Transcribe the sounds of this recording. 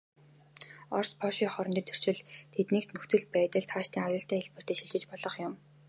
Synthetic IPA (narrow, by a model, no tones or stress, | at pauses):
ɔrspʰɔʃiːŋχɔɾɞ̆nt̪iːnt̪ʰɵ̥r̥t͡ɕɪ̆ɮt̪ʰet̪niːk̚t̪nɵxt͡s̪ɵ̆ɮpæːt̪ə̆ɮt̪ʰχaːʃt̪iːŋajʊːɬt̪æːeɮpɘ̆r̥t̪iːʃiɮt͡ɕɪ̆t͡ɕpɔɮɞ̆χjʊm